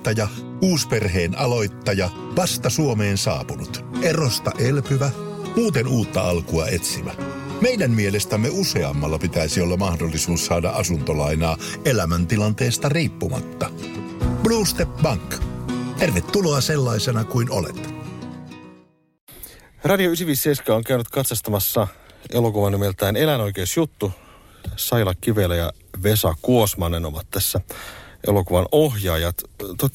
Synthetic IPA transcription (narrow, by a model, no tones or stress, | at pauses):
t̪ːɑjɑ | uːsperɦeːnɑlo̞jt̪ːɑjɑ | ʋɑst̪ɑsuomeːnsɑ̰ːpunut̪erost̪ɑʔelpyʋæ | muːt̪enuːt̪ːɑɑlkuɑe̞t̪siʋæ̰ | mejdæmːielest̪æmːeuse̞ɑ̰mːɑlːɑpit̪æisiolːɑmɑhdolːisuːssɑːdɑ̰ʔɑsunt̪olɑjnɑː | elæmænt̪ilɑnt̪eːst̪ɑriːpːumɑ̰t̪ːɑ | b̥luːst̪epbɑŋkt̪erʋet̪ːuloɑse̞lːɑisenɑkuino̰lḛt̪ | rɑdioysiʋisːejskɑoŋk̟æynyt̪kɑt̪sɑst̪ɑmɑsːɑelo̞kuʋɑnːimelt̪æːne̞læno̞jk̟eːsjut̪ːu | sɑjlɑkːiʋe̞læjɑ | ʋe̞sɑkkuosmɑːnenoʋɑt̪ːæsːæʔe̞̰lo̞kuʋɑno̞ɦjɑːjɑt̪t̪ot̪